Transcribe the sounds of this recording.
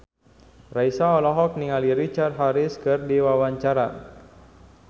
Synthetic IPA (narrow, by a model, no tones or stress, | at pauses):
raisaɔlɔɦɔk̚niŋaliɾit͡ʃard̪̚ɦaɾɪskɨrdiwawaɲt͡ʃaɾa